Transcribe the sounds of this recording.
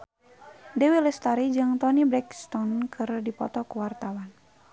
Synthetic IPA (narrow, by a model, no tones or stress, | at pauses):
dɛwilɛst̪aɾid͡ʒɨŋt̪ɔnibɾɛkst̪ɔnkʰɨrdipɔ̰t̪ɔkuwart̪awan